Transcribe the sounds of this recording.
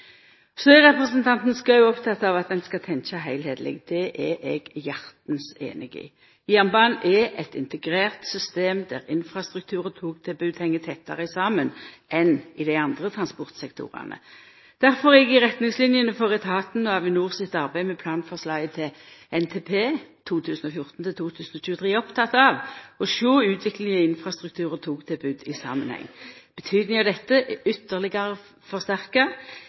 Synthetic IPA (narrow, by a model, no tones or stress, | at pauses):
søʁɛpʁəsənt̪ʰɑnt̪n̩skɑʉɔpt̪ʰɑt̪ːɑʋɑt̪̚d̪ɛnskɑt̪ʰɛnt͡ʃɑɦæɪlheːd̪lɪ̰ɡd̪̥ɛʔɛʔɛɡjɑʁt̪nsḛːnɪɡɪ̰ | jæːʁnbɑːnʔɛɛt̪ɪ̰nt̪əɡʁeːʁt̪sʏst̪eːmd̪æʁɪnfʁɑst̪ʁʉk̚t̪ʰʉːʁənt̪ʰuːk̚t̪ʰɪlbʉːd̪hɛŋːət̪ʰɛt̪ːɑ̰ʁəsɑːmənʔɛnɪd̪æɪɑnd̪ʁət̪ʰʁɑnspɔʁt̪sɛkt̪ʰʊ̰ʁɑ̰nə̰ | d̪̥æʁfɔʁɛɡɪʁɛt̪nɪŋslɪnjənəfoːʁɪt̪ʰɑːt̪n̩ɔɑʋɪnuːʁsɪt̪ɑʁbæɪmɛpʰlɑːnfɔʁslɑɪət̪ʰɪɛnt̪ʰeːpʰeːt̪ʰuːt̪ʰʉːsn̩ɔfjʊʁt̪n̩t̪ʰɪlt̪ʰuːt̪ʰʉːsn̩ɔc͡çʉːət̪ʰʁiːɔpt̪ʰɑt̪ːɑʋɔʃoːʉːt̪ʰʋɪklɪŋəɪnfʁɑst̪ʁʉk̚t̪ʰʉːʁət̪ʰuːkt̪ʰɪlbʉd̪ɪsɑ̰ːmənhɛ̰ŋːb̥ət̪ʰyːd̪nɪŋɑʋd̪ɛt̪ːəʏt̪ːəʁlɪɡɑʁə | fɔʁst̪æʁkə